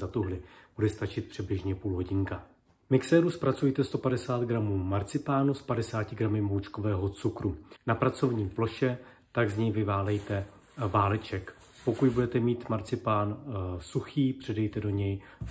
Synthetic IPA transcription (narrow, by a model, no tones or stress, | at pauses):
zat̪uɦlɪb̥udɛst̪at͡ʃɪt̪̚pr̝̥ɛblɪʒɲɛpuːlɦo̞ɟɪŋka | mɪksɛːɾuspɾat͡sujt̪ɛst̪o̞padɛsaːd̪ɡɾamuːmaɾt͡sɪpaːnuspadɛsaːcɪɡɾamɪmowt͡ʃko̞vɛːɦo̞t͡sukɾunapɾat͡so̞vɲiːplo̞ʃɛ | t̪aɡzɲɛjvɪvaːlɛjt̪ɛ | vaːlɪt͡ʃɛk | po̞kutbudɛt̪ɛmiːt̪maɾt͡sɪpaːnsuxiːpr̥ɛdɛjt̪ɛdo̞ɲɛj